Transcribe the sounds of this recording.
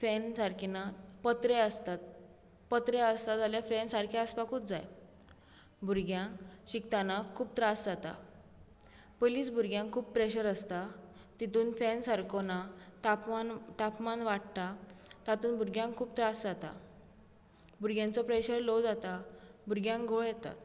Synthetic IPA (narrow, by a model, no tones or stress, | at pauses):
fɛnsaɾkʰinapət̪ɾeəst̪at̪̚ | pət̪ɾeəst̪ad͡zaljafɾɛnsaɾkʰiəspakʰuːp̚d͡zaj | bʱuɾɡjãɕikt̪anakʰːuːp̚t̪ɾasd͡zat̪a̰ | poliːsbʱuɾɡjãŋkkʰuːppːɾeɕəɾəst̪a | t̪it̪uːnfɛ̃nsaɾkonat̪aant̪apmanʋaʈ̚t̪at̪at̪uːnbuɾɡjãŋkkʰːuːbt̪ɾasd͡zat̪a̰ | bʱuɾɡjãnt͡sɔpɾeɕəɾlɔd͡zat̪abʱuɾɡjãŋɡoɭjɛt̪a̰t̪